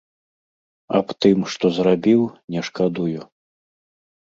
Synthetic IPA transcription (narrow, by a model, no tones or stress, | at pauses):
a̰pt̪ɨmʂt̪ɔzɾabʲiwnʲɛʂkad̪uju